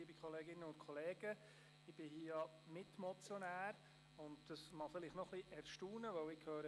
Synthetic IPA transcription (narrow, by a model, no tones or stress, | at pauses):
iəbɪkʰχɔleːɡɪnːəʊnt̪kʰɔleːɡ̥ə | ɪb̥ɪhiːjɑ | mɪtmɔt͡sjɔnæːɾ | ʊndd̥əsmɑfɪlɪχtnɔχliʔɛɾʃtuːnəʋœwɪkʰhøːɾə